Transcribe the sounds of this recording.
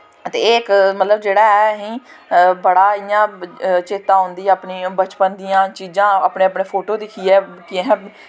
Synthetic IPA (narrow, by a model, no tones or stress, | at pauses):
t̪eːkmət̪ləbd͡ʒeːɽaːɛɦĩː | bəɽaːijãːt͡ʃeːt̪ãːɦʊ̃nd̪iːɛ̃ːəpniːbət͡ʃpənd̪ijãːt͡ʃiːzãːəpɳeːəpɳeːpʰoːʈoːd̪ɪkʰiːɛːkɪɛɛ̃ː